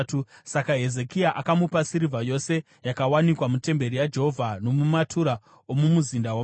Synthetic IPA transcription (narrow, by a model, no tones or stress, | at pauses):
tusakaɦe̞ze̞kiaʔakamupasiɾivʱajo̞se̞ | jakawanikwamute̞mbe̞ɾijad͡ʒe̞ɦo̞vʱano̞mumatʰuɾa | omumuzindawa